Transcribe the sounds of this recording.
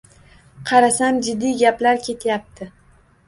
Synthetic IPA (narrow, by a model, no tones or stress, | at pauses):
qʰɑɾasamd͡ʒɪd̪ːiɡʲaplaɾkʲʰe̞t̪ʰjap̚t̪ʰɪ